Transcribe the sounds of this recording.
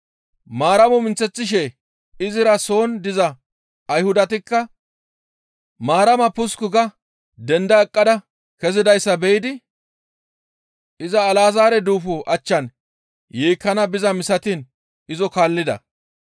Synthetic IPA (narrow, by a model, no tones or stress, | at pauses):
maːɾɐmɔmɪnt͡sːɛt͡sːɪʃ̬ɛ | ɪzɪɾɐso̞ːnd̪ɪzɐː | jhʊd̪ɐt̪ɪkːɐ | maːɾɐmɐpʊskʊɡɐ | d̪ɛnd̪ɐɛkʼːɐd̪ɐ | kɛzɪd̪ɐjsːɐbɛʔɪd̪ɪ | ɪzɐːlaːzaːɾɛd̪uːfɔʔɐt͡ʃːɐn | jeːkːɐnɐbɪzɐmɪsɐt̪in | ɪzɔkaːlːɪd̪ɐ̰